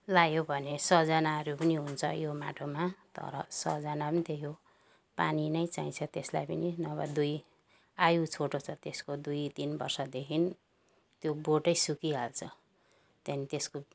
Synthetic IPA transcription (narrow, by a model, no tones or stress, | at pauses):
lajjobʱʌnesʌd͡zʌnaʌɾupʌniɦunt͡sʰʌjoma̰ʈʰomat̪ʌ̰ɾʌ̰sʌ̰d͡zʌnapʌnit̪ʰejo | paninʌjt͡saĩt͡sʰʌt̪eslajpʌninʌβa̰d̪uj | ajut͡sʰoʈot͡sʰʌt̪eskod̪ujt̪inbʌ̰rsʌd̪ekʰin | t̪joboʈʌjsukiɦalt͡sʰʌ | t̪ʌnit̪esko